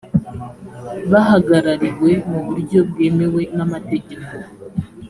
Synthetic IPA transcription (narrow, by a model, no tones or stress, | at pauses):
βaɦaɡaɾaɾiɾwe̞muβuɾɟo̞b̚ɡeːmewe̞namate̞ɟeko